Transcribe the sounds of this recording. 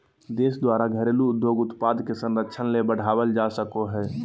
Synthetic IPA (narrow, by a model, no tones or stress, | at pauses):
d̪eːsd̪waːɾaɡʱəɾeːluʊd̪joːɡʊt̪paːd̪kesə̃nɾəkʃʰənlebəɽ̤ʱaːwəld͡ʒaːsəkoɦɛː